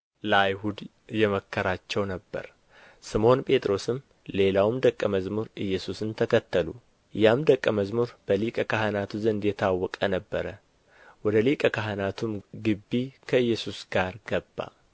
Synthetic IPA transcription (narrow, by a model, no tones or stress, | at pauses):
ləajhud̪ | jɛməkːəɾat͡ʃːɛwnəbːə̰ɾ | sɨmo̞npʼe̞t̪ʼɾo̞sɨm | le̞lawmd̪əkʼːəməzmuɾʔɨjːɛsusɨnt̪ʰəkʰət̪ʰːəlṵ | jamd̪əkʼːəməzmuɾb̥əlikʼəkʰahənat̪ʰuzənd̪jɛt̪ʰawːɔkʼənəbːəɾə | wɔd̪əlikʼəkaɦənat̪ʰumɡɨbːikʰəɨjːɛsusɡ̥aɾɡəbːa̰